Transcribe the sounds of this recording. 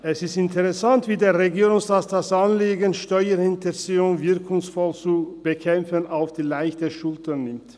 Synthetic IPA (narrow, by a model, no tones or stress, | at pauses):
ɛsɪstɪntəʁɛsantv̥iːdeːɐʁeɡiːɾʊŋsaːtdasanleːɡənʃtɔʏəɪntəsiʊŋvɪɐkʰʊŋsfɔlt͡sub̥əkʰɛmfənaʊfd̥iːlaɪçtəʃʊltʰɐnnɪmt